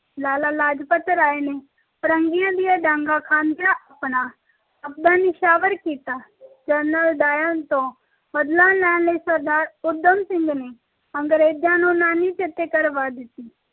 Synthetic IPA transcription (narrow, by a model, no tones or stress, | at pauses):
laːlaːlaːd͡ʒpət̪ːɾaːene | pəɾə̃ŋɡijãːd̪ijaɖãːŋɡakʰaːnd̪jaʔɐpna | ɐp̚d̪ãːnɪʃaːʋəɾkiːt̪aːd͡ʒənəlɖ̪aːjant̪õː | bəd̪lãːlɛːnləisəɾd̪aːɾʊɾd̪əmsɪ̃ŋɡne | ə̃ŋɡɾeːd͡ʒãːnõːnaːnit͡ʃet̪ekəɾʋaːd̪ɪt̪i